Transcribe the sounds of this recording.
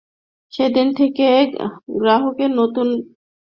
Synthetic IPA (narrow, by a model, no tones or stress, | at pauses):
ʃed̪int̪ʰekeɡɾaɦokenot̪un